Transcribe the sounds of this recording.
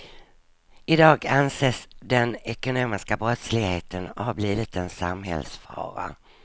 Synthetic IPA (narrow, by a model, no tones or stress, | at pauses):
ɪd̪ɑːɡanseːsd̪ɛnɛkʊnoːmɪskabɾɔt̪slɪɡheːt̪ʰənɔhabliːvɪt̪ɛnsamɦɛ̰lsfɑ̰ːɾa̰